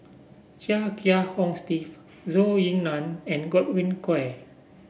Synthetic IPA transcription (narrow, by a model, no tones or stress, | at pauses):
t͡ʃakʰiahɔ̃ŋstif | zojĩŋnãnɛ̃nɡɔt̚wĩnkɛ